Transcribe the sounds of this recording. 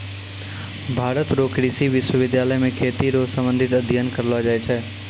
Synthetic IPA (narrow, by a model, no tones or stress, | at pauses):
bʱaːɾət̪ɾoːkɾiːsiʋɪʃwəʋɪd̪jaːləjmẽkʰeːt̪iɾoːsə̃mbə̃nd̪ʱɪt̪əd̪ʱjənkəɾlad͡ʒaet͡ʃʰɛː